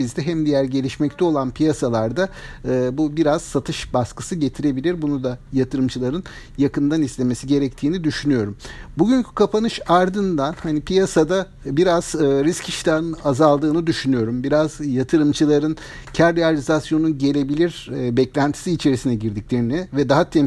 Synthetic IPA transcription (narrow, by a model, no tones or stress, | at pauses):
bizd̪ɛɦɛmd̪ijæɾɟe̞lʲiʃmɛct̪ʰɛo̞lˠanpʰijasalˠaɾd̪aɯːbubiɾaz̥sat̪ʰɯʃbaskɯ̥sɯɟe̞t̪ʰiɾe̞bilʲiɾbunud̪ajat̪ʰɯɾɯmt͡ʃʰɯlˠaɾɯn | jakɯnd̪anislʲe̞me̞siɟe̞ɾɛc̚t̪ʰiːnid̪yʃynyjo̞ɾumbuɟyɲcʰy̥kʰapʰanɯʃaɾd̪ɯnd̪anhanipijasad̪a | biɾaz̥ɯɾiscʰiʃi̥d̪ʲænɯnazalˠd̪ɯːnɯd̪yʃynyjo̞ɾumbiɾazjat̪ʰɯɾɯmt͡ʃʰɯlˠaɾɯn | cʰæɾːealʲizasjo̞nunɟe̞lʲe̞bilʲiɾbɛclʲænt̪ʰi̥siːt͡ʃʰe̞ɾisinɛɟiɾd̪iclʲe̞ɾinivɛd̪aɦat̪ʰɛm